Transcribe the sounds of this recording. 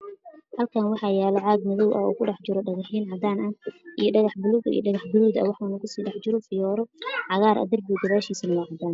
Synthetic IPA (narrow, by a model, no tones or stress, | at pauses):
hɐlkʰaːnwɑħɑːjɛːlɐʕɑːɡ̚mɐðɔwʔɐ̰ṵːkʰʊɖɑħd͡ʒɪɾɔɖɐɣɑħiːnʕɑd̪aːnɐʔijɞɖɐɣɑħbʊluɣḭj̰ɖɐɣɑħbʊluːd̪ɐ̰wɑħunɐkʰʊsiːɖɑħd͡ʒɪɾɔfɪjɔːɾɔʕɑɣaːɾʔɐ̰d̪ɐrbiɡ̪ɐβaːʃiːsɐnɐwɑʕɑd̪aːn